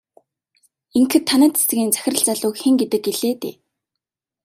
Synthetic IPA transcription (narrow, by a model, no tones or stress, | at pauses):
iŋkxɘ̆t̪ʰːanæːt̪ʰe̥sɘ̆ɣʲiːnt͡sæ̥xʲɪ̆rə̆ɮt͡saɮʊːkxeŋɡet̪ɘ̆k̚ːeɮeːt̪ḛː